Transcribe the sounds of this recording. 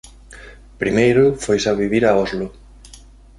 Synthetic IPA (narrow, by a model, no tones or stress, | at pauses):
pɾimejɾʊfojsaβiβiɾaɔzlʊ